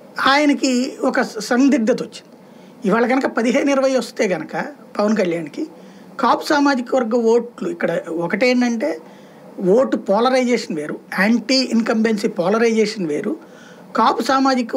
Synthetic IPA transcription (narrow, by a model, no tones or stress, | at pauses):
aːjɐnɐkiɔkɐsɐnd̪iɡd̪ʱɐt̪ot͡ʃːi̥nd̪i | iʋaːɭɐɡɐnɐkɐpɐd̪iɦeːnuniɾʋɐjɐʋɐst̪e̞ːɡɐnɐkɐpɐʋɐnkɐljaːnki | kaːpusaːmaːd͡ʒikɐʋɐɾɡɐʋo̞ːʈluikːɐɽɐɔkɐʈeːnɖɐɳʈe̞ː | ʋoːʈːupɔːlɐɾɐjd͡ʒeːʂɐnʋe̞ːɾuaːɳʈiːinkɐmbensipɔːlɐɾɐjd͡ʒeːʂɐnʋe̞̰ːɾu | kaːpusaːmaːd͡ʒikɐ